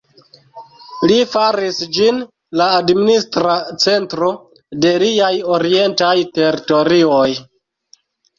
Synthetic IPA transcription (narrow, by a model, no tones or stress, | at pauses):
lifaɾisd͡ʒin | laːdministɾat͡se̞ntɾo̞ | de̞liajoɾie̞ntajte̞ɾito̞ɾioj